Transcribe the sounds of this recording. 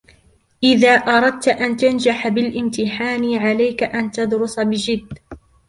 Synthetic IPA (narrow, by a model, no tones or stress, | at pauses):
ʔɪðaːʔɑɾˤɑd̪̚t̪ʔant̪and͡ʒaħbɪlʔɪmt̪ɪħaːnɪʕalajkaʔant̪ɑd̪ɾʊsbɪd͡ʒɪd̪ː